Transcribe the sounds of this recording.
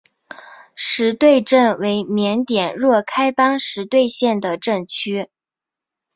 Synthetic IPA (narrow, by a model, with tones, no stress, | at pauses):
ʂɻ̩˧˥t̪we˥˧ɪʈ͡ʂə˥˩nwe˧˥ɪmjɛ˧˥nt̪jɛ˨˩nɻwɔ˥˩kʰa˥ɪpɑ˥ŋʂɻ̩˧˥t̪we˥˧ɪɕjɛ˥˩nd̪ə˩ʈ͡ʂə˥˩ŋt͡ɕʰy˥